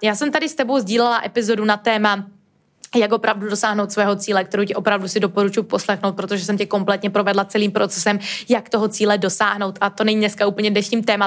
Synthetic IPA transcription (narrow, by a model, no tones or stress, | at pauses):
jaːsɛmt̪adɪst̪ɛbo̞wzɟiːlɛlaʔɛpɪzo̞dunat̪ɛːma | jako̞pɾavdudo̞saːɦnowt̪svɛːɦo̞t͡siːlɛk̚t̪ɛɾowcɛopɾavdusɪdo̞po̞ɾut͡ʃujupo̞slɛxnowt̪̚pɾo̞t̪oʒɛs̬ɛmcɛko̞mplɛt̪ɲɛpɾo̞vɛdlat͡sɛliːmpɾot͡sɛsɛmjakt̪oɦot͡siːlɛdo̞saːɦno̞wt̪ʔat̪o̞nɛɲinɛskauːpl̩ɲɛvdnɛʃɲiːmt̪ɛːma